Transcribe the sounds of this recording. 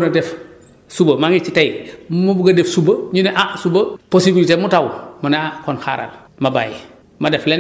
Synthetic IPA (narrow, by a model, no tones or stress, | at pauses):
nɐdɛf | subəmaŋit͡ʃitajmubuɡɐdefsubəɲunɛʔasubəposibilitemutawmɐnakɔnxa̰ɾa̰l | maba̰jḭ | madɛflɛn